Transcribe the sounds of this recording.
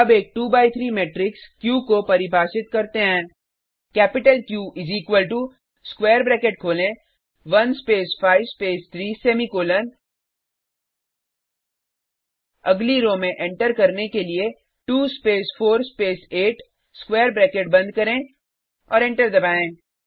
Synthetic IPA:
ɐbeːk̚ʈuːbaːit̪ʰɾiːmeːʈɾɪkskjuːkopɐɾɪbʱaːʃɪt̪̚kɐɾt̪eɦɛ̃ː | kɛːpɪʈəlkjuːʔɪziːkʋəlʈu | skweːəɾbɾɛːkeʈ̚kʰoːlẽ | ʋɐnspeːsfaːɪʋspeːst̪ʰɾiːsɛːmikoːlən | ɐɡliɾõːmẽʔɛ̃ɳʈəɾkɐɾnekelie | ʈuːspeːsfʰoːɾspeːseːʈ | skweːəɾbɾeːkeʈ̚bɐ̃nd̪̚kɐɾẽ | ɔ̰ːɾɛ̃ːɳʈəɾd̪ɐbaːẽː

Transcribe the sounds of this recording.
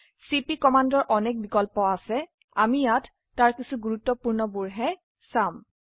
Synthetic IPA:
sipikɔmandɔɹʔɔnɛk̚bikɔlpɔasɛ | amijatː | aɹkisuɡuɹutːɔpuɹnɔbuɹɦɛ | sam

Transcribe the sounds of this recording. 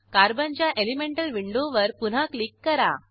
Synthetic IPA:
kaɾbənt͡ɕjaʔelimeɳʈəlʋiɳɖoʋəɾpunɦaklikːəɾa̰

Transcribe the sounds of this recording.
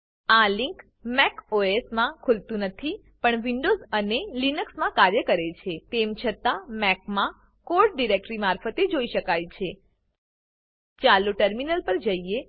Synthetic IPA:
aliŋk | mɛkoesmãkʰult̪ũnət̪ʰi | pəɳʋiɳɖozənelinəksmãkaɾjəkəɾet͡ʃʰet̪emt͡ʃʰət̪amɛk̚mã | koɾʈ̚ɖiɾek̚ʈɾimaɾfət̪ed͡ʒoiʃəkajt͡ʃʰe | t͡ʃaluʈəɾminəlpəɾd͡ʒəie

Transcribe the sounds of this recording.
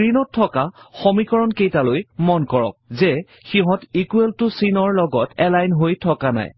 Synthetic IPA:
inɔtʰːɔkaxɔmikɔɹɔnkejtalojmɔnkɔɹɔ̰k̚zɛ | xiɦɔtikueltʊsinɔɹlɔɡɔtɛlajnɦojtʰɔkana̰j

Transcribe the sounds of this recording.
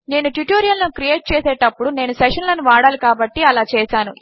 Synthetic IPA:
ne̞ːnuʈuʈoːɾijɐlloːkɾijeːʈ̚t͡ʃɛːseːʈɐpːuɽune̞ːnusɛʂɐnlɐnuʋaːɽaːlikaːbɐʈːiɐlaːt͡ʃɛːsaːnu

